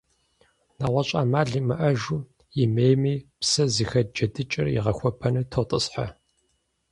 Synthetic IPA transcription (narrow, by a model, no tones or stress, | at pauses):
naʁʷɐɕʼa̰ːmaːɮiːmɨʔɐʒuː | jɪmeːjmiːpsɐziːxɐd͡ʒɐdɨt͡ʃʼɪ̰rjḭʁɐxʷɔpʰɐnɨtʰoːtʼɨsħa̰